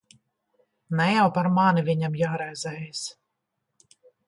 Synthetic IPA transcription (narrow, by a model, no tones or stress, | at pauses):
nɛjawpaɾmanivʲiɲamjaːɾɛjzɛjs